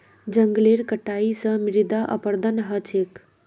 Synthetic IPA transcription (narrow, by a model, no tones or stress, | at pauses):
d͡ʒəŋɡleɾkəʈaisə̃miɾid̪aʔə̰pəɾd̪ənɦət͡ʃʰek